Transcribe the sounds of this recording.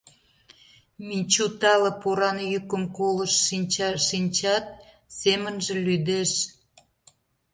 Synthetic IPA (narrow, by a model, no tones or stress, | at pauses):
minʲt͡ɕut̪ɑlə̆poɾɑnjykəmkoləʃːinʲt͡ɕɑʃinʲt͡ɕɑt̪̚ | semənʒĕlyd̪eʃ